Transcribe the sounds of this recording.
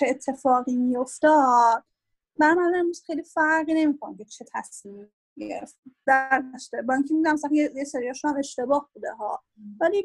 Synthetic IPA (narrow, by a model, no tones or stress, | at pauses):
t͡ʃʰeːt̪ʰːe̞fɒːɣiːmijo̞ft̪ɒːd̪̥̚ | bæmæleemɾuːz̥xejlifæɾɣiːne̞miːkʰonimcʰet͡ʃʰe̞t̪ʰæsmiː | ɟeɾeft̪d̥̪æɾd̪æʃt̪ebɒiŋcʰemid̪æmsæjejeseɾijɒːʃuæme̞ʃt̪e̞bɒːhbuːd̪ḛɦɒ̰ː | væliː